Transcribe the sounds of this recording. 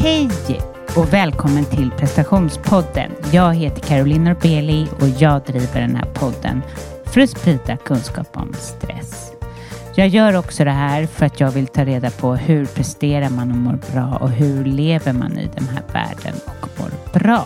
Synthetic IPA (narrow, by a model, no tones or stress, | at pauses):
hɛj | ɔvɛːlkʰɔmːənt̪ʰɪlpʰɾɛst̪aɧuːnspʰɔd̪ːə̰njɑːɡɦeːt̪ə̥kʰaɾʊlɪːnɔɾbeːlɪɔjɑːɡd̪ɾiːvəɖɛnhæ̰ːɾpʰɔd̪ːə̰n | fœɾat̪spɾiːd̪akʰɵnskɑ̰ːpɔ̰mst̪ɾɛ̰s | jɑːɡjœːɾɔksɔd̪ɛɦæːɾfœɾat̪jɑːɡvɪlt̪ʰɑːɾeːd̪apʰɔhɵɾpʰɾɛst̪eːɾaɾmanɔmoːɾbɾɑːʔɔɦɵɭeːvəɾma̰nɪ̰d̪ɛnɦæ̰ːɾvæ̰ːɖə̰nɔkmo̰ːɾb̥ɾɑː